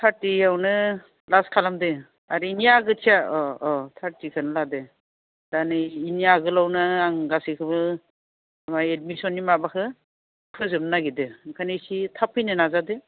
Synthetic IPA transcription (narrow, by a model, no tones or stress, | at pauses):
tʰaɾtiawnɯ | laskʰalamdɯ | aɾiinijaɡɯtʰijaɔɔtʰaɾtikʰɯnɯladɯ | d̥anɯinijaɡɯlawnɯaŋɡasikʰɯbɯ | amajed̚misɔnːimabakʰɯ | kʰɯzɯmnaɡidɯkʰanisitʰapʰɯjnɯnazadɯ